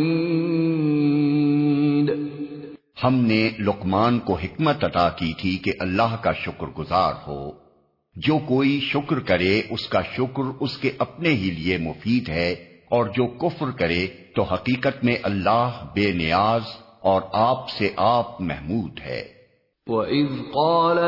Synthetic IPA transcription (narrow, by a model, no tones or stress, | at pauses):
d̪ | hɐmnelʊqmaːnkoɦɪkmət̪ɐt̪akit̪ʰikeʔɐlːaːɦkaʃʊkɾɡʊza̰ːɾho̰ː | d͡ʒoːkoːiʃʊkɾkɐɾeʔʊskaʃʊkɾʊskeʔɐpneɦiliemʊfiːd̪ɦɛ | ɔːɾd͡ʒoːkʊfɾkɐɾet̪oɦɐqiːqət̪mẽʔɐlːaːɦbeːnɪjaːz | ɔːɾaːpseʔaːp̚mɛ̰ɦmuːd̪ɦɛ̰ː | wɐʔɪðqɑːl